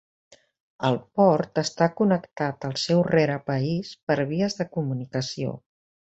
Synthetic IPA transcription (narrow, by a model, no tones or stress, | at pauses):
əlˠpɔɾt̪əst̪akunəkt̪at̪əlˠsɛwrɛɾəpəispəɾβ̞iəzðəkumunikəsio̰